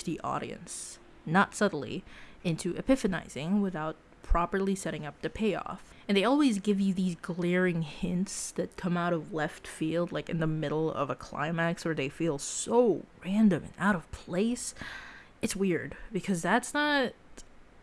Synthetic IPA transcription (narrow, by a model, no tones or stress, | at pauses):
ðiʔɔ̰ɾḭɨ̰̃ns | nətsʌdⁿn̩lˠḭɪ̃ntʰʉʔɨpɪfɨna̰ɪz̥ɪ̃ŋwɪθaʊt̚pʰɹ̥ɑpə˞lˠisɛɾɪ̃ŋʌp̚tɨpʰeɪɔ̰f | ɨ̃nðeɪɔlˠwizɡɪvjɨðizɡlɛɹɪ̃ŋhɪ̃ntsðɨt̚kʰʌ̃maʊɾʌvlɛftfilˠdˡlaɪkɨ̃nðəmɪɾl̩ˠʌ̰vəkʰl̥ã̰ɪ̃mækswə˞ðeɪfilˠsoʊɹæ̃ndɨ̃mɨ̰̃naʊɾʌv̥pʰl̥eɪs | ɨtswɪɹd̚b̥ɨkʰʌzðætsnət̚